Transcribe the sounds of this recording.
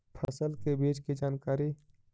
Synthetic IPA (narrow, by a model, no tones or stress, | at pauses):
pʰəsəlkebeːd͡ʒked͡ʒaːnkaːɾi